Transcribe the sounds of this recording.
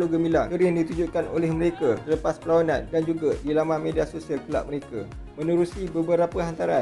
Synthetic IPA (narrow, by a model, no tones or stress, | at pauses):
loɡəmilaəɾindit̪ud͡ʒuʔkanolɛhməɾekasələpaspəlawanã̰ndand͡ʒuɡadilamamediasosialkəla̰ʔməɾeka | mə̃nuɾusibəbəɾapəɦant̪aɾa